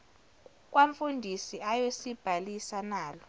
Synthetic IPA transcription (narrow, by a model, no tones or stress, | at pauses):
k̬ʼwaɱfundʱisiajosib̥ʱalisanaːlɔ